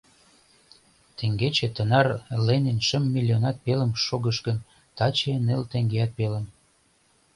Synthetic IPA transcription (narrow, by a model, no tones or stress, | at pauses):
t̪eŋɡet͡ɕet̪ənɑrlenenʃəmːilʲionɑt̪̚peləmʃoɣəʃkən | t̪ɑt͡ɕenelt̪eŋɡeɑt̪̚peləm